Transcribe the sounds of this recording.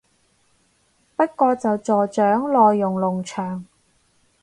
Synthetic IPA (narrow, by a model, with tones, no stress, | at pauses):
pɐ˥t̚kɔː˧t͡sɐ˨wt͡sɔː˨˩t͡ʃœː˨˥ŋlɔː˨jːʊ˨˩ŋlʊ˨˩ŋt͡ʃʰœː˨˩ŋ